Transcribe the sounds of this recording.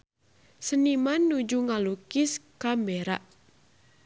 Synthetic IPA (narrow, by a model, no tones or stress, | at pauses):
sənimanːud͡ʒuŋalukɪskambeɾa̰ʔ